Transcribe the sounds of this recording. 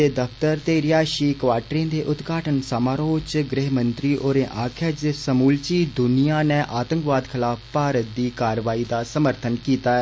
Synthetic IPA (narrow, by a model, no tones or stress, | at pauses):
eːd̪əpʰt̪əɾt̪eːɾɪjaːʃiːkʋaːʈɾẽːd̪eːʔʊt̪ɡʱaːʈənsaːmaːɾoːt͡ʃɡɾɪɦmə̃nt̪ɾiːʔoːɾẽːʔaːkʰjaːd͡ʒɪsəmuːlt͡ʃiːd̪ʊnijaːnɛ̃ːʔaːt̪ə̃ŋkʋaːd̪kʰɪlaːppaːɾət̪̚d̪iːkaːɾʋaːiːd̪aːsəməɾt̪ʰənkiːt̪aːɛː